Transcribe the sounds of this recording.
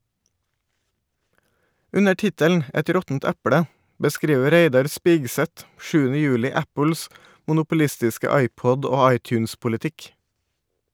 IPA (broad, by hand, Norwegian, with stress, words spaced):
ˈʉnə ˈʈɪtəln̩ ˈɛt ˈɾɔtn̩t ˈæpɽə bəˈskɾiːʋə ˈɾeɪdɑɾ ˈspɪɡsɛt ˈʃʉːənə ˈjʉːlɪ ˈæpl̩s mʊnʊpʊˈlɪstɪskə ˈɑɪˌpɔd ˈoː ˈɑɪˌtjʉːnspʊlɪˌtɪk